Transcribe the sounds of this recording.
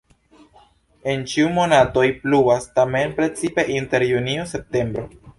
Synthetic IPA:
e̞nt͡ʃiumo̞nato̞jpluastame̞npɾe̞t͡sipe̞ʔinte̞ɾjuniose̞p̚te̞mbɾo̞

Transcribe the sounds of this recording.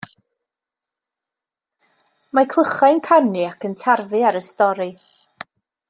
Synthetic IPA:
makʰlˠəχajnkʰanɨakʰəntʰarvɨaɾəstɔɾɨ

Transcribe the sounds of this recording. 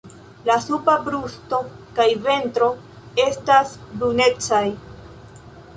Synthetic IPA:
lasupabɾusto̞kajve̞ntɾo̞ | e̞stasbɾune̞t͡saj

